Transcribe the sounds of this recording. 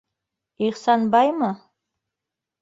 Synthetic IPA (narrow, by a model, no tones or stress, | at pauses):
iχsɑnbɑjmɤ